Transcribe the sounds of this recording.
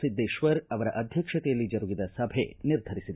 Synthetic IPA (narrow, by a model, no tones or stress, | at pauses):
sid̪ːɐiʃʋɐɾɐʋɐɾɐʔɐd̪ʱjɐkʂɐt̪ejɐlːid͡ʒɐɾuɡid̪ɐsɐbʱḛniɾd̪ʱɐɾisid̪